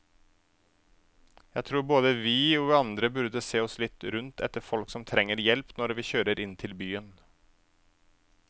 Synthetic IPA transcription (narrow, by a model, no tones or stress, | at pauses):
jæɪt̪ʰɾuːɾboːd̪əʋɪːɔːʋɪɑnd̪ɾəbʉɾd̪əseːɔslɪt̪ɾʉnt̪ʰɛ̰t̪ːəɾfɔlksɔmt̪ʰɾɛŋːəɾjɛlpnɔɾʋɪçøːɾəɾɪnt̪ʰɪlbyːən